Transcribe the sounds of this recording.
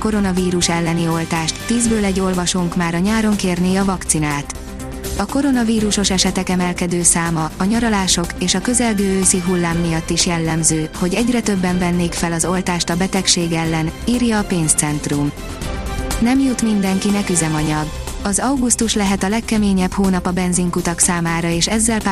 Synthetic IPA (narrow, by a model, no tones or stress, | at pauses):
ko̞ɾo̞nɒviːɾuʃɛlːɛnio̞lt̪aːʃt̪ːiːzbøːlɛɟːo̞lvɒʃoːŋkmaːɾɒɲaːɾo̞ŋkeːrneːɒvɒkt̪sinaːt̪ | ɒko̞ɾo̞nɒviːɾuʃo̞ʃɛʃɛt̪ɛkɛmɛlkɛd̪øːsaːmɒːɲɒɾɒlaːʃo̞keːʃɒkø̞zɛlɡøːøːsiɦulːaːmːijɒt̪ːiʃjɛlːɛmzøːho̞ɟɛɟrɛt̪ø̞bːɛɱvɛnːeːkfɛlɒzo̞lt̪aːʃt̪ɒbɛt̪ɛkʃeːɡɛlːɛniːrjɒːpeːnst̪sɛnt̪rum | nɛmjut̪mind̪ɛŋkinɛkyzɛmɒɲɒɡɒzɒwɡust̪uʃlɛɦɛt̪ɒlɛkːɛmeːɲɛphoːnɒpɒbɛnziŋkut̪ɒksaːmaːɾɒeːʃɛzːɛlp